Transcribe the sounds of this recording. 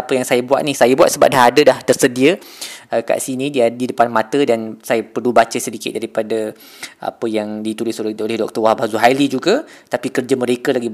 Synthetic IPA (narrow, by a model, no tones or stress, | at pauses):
apəjaŋsajabua̰ʔ̪̚nihsajabwa̰t̪̚səba̰ʔ̚daɦadədaht̪ərsədiəəka̰ʔsinĩdiadidəpanmãt̪ədansajapərlubat͡ʃəsədikɪt̪̚daɾipadə | ʔa̰pəjaŋdit̪ulɪsolɛhdɔk̚t̪ərwahbahzuɦalid͡ʒuɡət̪apikərd͡ʒamə̃ɾekəlaɡi